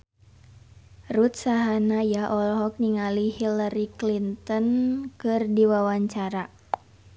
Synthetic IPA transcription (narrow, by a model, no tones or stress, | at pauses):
rut̪̚saɦanajaʔɔlɦɔk̚niŋalihilaɾiklint̪ɔnkɨrdiwawaɲt͡ʃaɾa